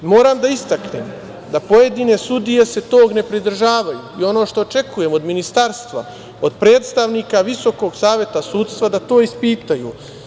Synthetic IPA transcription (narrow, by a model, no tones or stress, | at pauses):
mo̞ːɾaːmd̪aist̪aknḛm | d̪apo̞je̞d̪iːne̞sud̪ije̞se̞t̪o̞ːɡne̞pɾid̪r̩ʒaːʋajṵːio̞no̞ːʃt̪o̞ːt͡ʃe̞kuje̞mo̞d̪minist̪aɾst̪ʋa̰ | o̞d̪pɾe̞ːt̪st̪aʋniːkaʋiso̞ko̞ɡsaːʋje̞t̪asuːd̪st̪ʋad̪at̪o̞ːispiːt̪ajṵː